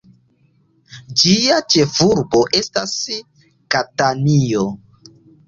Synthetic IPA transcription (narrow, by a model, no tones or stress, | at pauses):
d͡ʒiat͡ʃe̞fuɾbo̞ʔe̞stas | katanio